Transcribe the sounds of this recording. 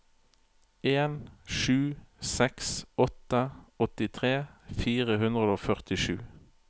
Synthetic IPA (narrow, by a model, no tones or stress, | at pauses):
eːnʃʉːsɛksɔt̪əɔt̪ɪt̪ʰʁeːfiːʁəɦʉnd̪ʁəd̪oːfœʁt̪ɪʃʉː